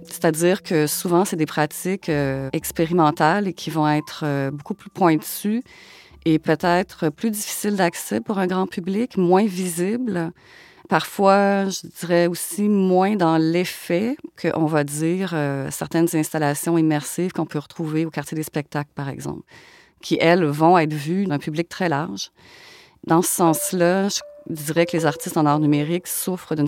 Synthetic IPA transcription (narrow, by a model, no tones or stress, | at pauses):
se̥t̪ad̪iːʁkʰəsuvɑ̃sed̪epχat̪ɪkʲøɛkspeʁimɑ̃t̪alekʲʰivɔ̃ɛːt̪χøbokuplypʰwɛ̃t̪y | epøt̪ɛːt̪χəplyd̪ifi̥sɪld̪aksɛpuʁɛ̃ɡʁɑ̃pyblɪkmwɛ̃vizibl | paʁfwaʒəd̪iʁɛosimwɛ̃d̪ɑ̃lefɛkʰəʔɔ̃vad͡z̪iːʁøsɛʁt̪ɛnzɛ̃st̪alasjɔ̃imɛʁsivkɔ̃pøʁət̪χuveokaʁt̪ʰjed̪espɛk̚t̪aklpaʁɛ̰ɡzɑ̰̃pl | kʲʰiʔɛlvɔ̃ɛːt̪χvyd̪ɛ̃pyblik̚t̪χɛlaʁʒ | d̪ɑ̃sə̥sɑ̃slaʒəd̪iːʁɛkəlezaʁt̪ist̪ɑ̃nɔʁnymeʁɪksufχəd̪yn